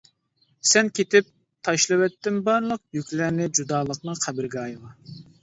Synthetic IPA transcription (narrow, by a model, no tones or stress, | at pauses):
sɛnkʲʰet̪ɪp̚ | t̪ʰɑʃlˠɨwɛt̪ːɪmbɑɾlˠəq̚jykʲlæɾnɪd͡ʒud̪ɑːlˠəqnɨŋχʰæbɪɾɡʲɛɑjlɑ